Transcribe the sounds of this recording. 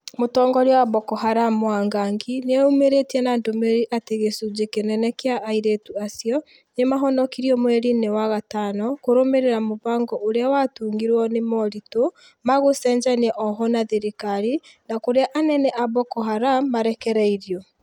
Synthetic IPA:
motɔŋɡɔɾeawaβɔkɔɦaɾamwaŋɡaːŋɡineaumeɾetiɛnandomɛɾiʔateɣesud͡ʒekenɛnɛkeaʔaiɾetuasiɔ | nemaɦɔnɔkiɾiɔmwɛɾinewaɣatanɔkoɾomeɾeɾamoβaːŋɡɔʔoɾeawatuːŋɡiɾwɔnemɔɾito | maɣosɛɲd͡ʒanɛʔɔɦɔnaðeɾikaɾinakoɾeaʔanɛnɛʔaβɔkɔɦaɾamːaɾɛkɛɾɛiɾiɔ

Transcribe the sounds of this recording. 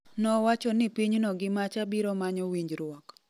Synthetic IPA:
nɔwat͡ʃɔnɪpiɲnɔɡɪmat͡ʃabiɾɔmaɲɔwiɲd͡ʒɾwɔk

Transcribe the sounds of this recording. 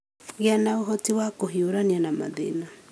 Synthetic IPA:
ɣeanaoɦɔtiwakoɦioɾanianama̰ðḛna

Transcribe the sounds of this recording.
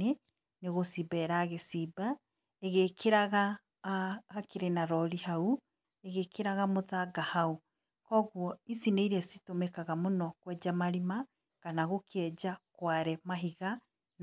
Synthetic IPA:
e | neɣosibɛːɾaɣesiba | eɣekʰeɾaɣaː | keɾenaɾɔɾihau | eɣekeɾaɣamoðaɡahau | kɔɣwɔisineiɾɛsi̥tomɛkaɣamonɔkwɛd͡ʑamaɾima | kanaɣokʰɛd͡ʑakwaɾɛmaɦiɣa | n

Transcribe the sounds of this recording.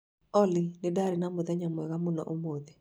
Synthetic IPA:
ɔlɪnɪdaɾɪnamʊðɛɲamwɛɣamʊnɔ̰ʔomod̪e

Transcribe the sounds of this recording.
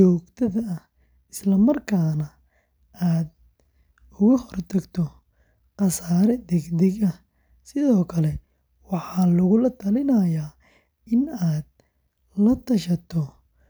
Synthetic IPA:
t͡ʃɔːɡt̪ʰɐðɐɐ | ɪslɐmɐrkʰaːnɐ | aːd̪̚ | ʊɣɐhɔrt̪ʰɐɡt̪ʰɔ | qɑsaːɾɛd̪ɛɡd̪ɛɡɐ | sɪðɔːkʰɐlɛ | wɑħɑːlʊɣʊlɐt̪ʰɐlɪnɐjaː | ɪnaːd̪̚ | lɐt̪ʰɐʃɐt̪ʰɔ

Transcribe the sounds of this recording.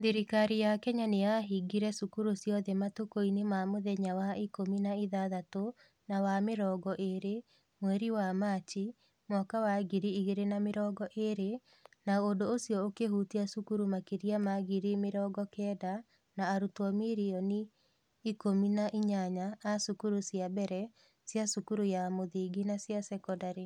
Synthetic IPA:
ðiɾikaɾijakɛɲaneaɦiɡiɾɛsukuɾusjɔðɛmatokoinemamoðɛɲawaikominaiðaðato | nawameɾɔːɡɔʔeɾe | mwɛɾiwamaːt͡ʃi | mɔkawaɣiɾiiɣeɾenameɾɔɡɔʔeɾe | naondoosjɔokeɦutiasukuɾumakeɾiamaɣiɾimeɾɔɡɔkɛːda | naːɾutwɔmiɾiɔniː | kominaʔiɲaɲaasukuɾusjabɛɾɛ | sjasukuɾujamoðiːɡinasjasɛkɔdaɾe

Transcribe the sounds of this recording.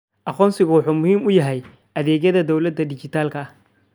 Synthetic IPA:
ʔɑqɔːnsɪɣɐwɑħuːmʊhiːmʊjɐɦɛj | ʔɐðɛːɡjɐðɐd̪ɔwlɐd̪ːɐɖɪt͡ʃɪt̪ʰaːlkʰɐ

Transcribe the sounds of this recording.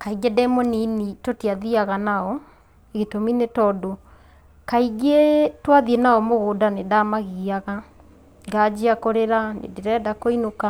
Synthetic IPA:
kaiɡɛdɛmɔninitotiaðiaɣanaɔ | eɣetominetɔdo | kaiɡetwaðienaɔmoɣoːdanedamaɣiaɣa | ŋɡad͡ʒiakoɾeɾanḛdeɾɛdakoinoka

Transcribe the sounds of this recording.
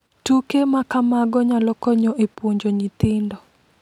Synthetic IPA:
tukemakamaɡɔɲalɔkɔɲɔʔepwoɲd͡ʒoɲit̪ɪndɔ

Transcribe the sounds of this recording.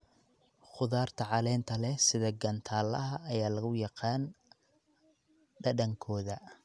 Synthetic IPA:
χʊðaːrt̪ʰɐʕɑlɛːnt̪ʰɐlɛsɪðɐɡɐnt̪ʰaːlɐɦɐʔːjaːlɐɣʊjɑqɑːn | ɖɐɖɐŋkʰɔːðɐ

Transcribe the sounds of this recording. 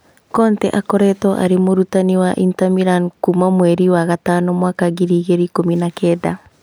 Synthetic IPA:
kɔntɛʔakɔɾɛtɔʔa̰ɾemoɾutaniwaʔintamiɾankumamwɛɾiwaɣataːnɔmwaːkaɣiɾiːɣeɾikominakɛːða

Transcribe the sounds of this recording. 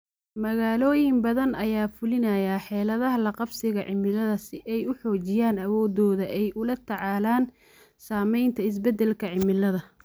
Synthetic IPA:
mɐɣaːlɔːjɪmbɐðɐnɐjaːfʊlɪnɐjaħɛːlɐðɐɦɐlɐqɑbsɪɣɐʕɪ̰mɪlɐðɐsɪʔɛjʊħɔːt͡ʃɪjaːnɐwɔːd̪ɔːðɐʔɛjʔʊlɐt̪ʰɑʕɑːlaːn | saːmɛjnt̪ʰɐɪs̬bɛd̪ɛlkʰɐʕɪmɪlɐðɐ

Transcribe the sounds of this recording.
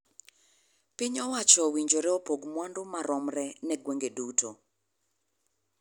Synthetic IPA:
pɪɲɔwat͡ʃɔwiɲd͡ʒoɾɛɔpoɡmwandʊmaɾɔmɾɛnɛɡweŋɡedutʰo

